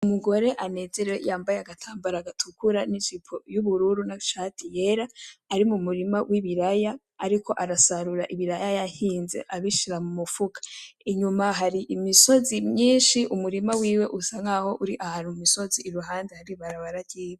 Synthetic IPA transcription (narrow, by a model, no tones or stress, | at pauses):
umuɡo̞ɾe̞ʔane̞ze̞ɾewejaːmbajeaɡatʰaːmbaɾaɡatʰukuɾanit͡ʃipʰojuβuɾuɾunaʃatʰijeɾaːɾimumuɾimawʔiβiɾajaː | ɾikʰo̞ʔaɾasaɾuɾaʔiβiɾajajḁhiːnze̞̰ʔaβiʃiɾamumufukḁiɲumaɦaɾiʔimiso̞zimɲiːnʃiʔumuɾimawiːwe̞ʔusaŋaho̞ʔuɾiʔahaːnhumumiso̞ziːɾuɦaːndehaɾiβaɾaβaɾaɟiːwe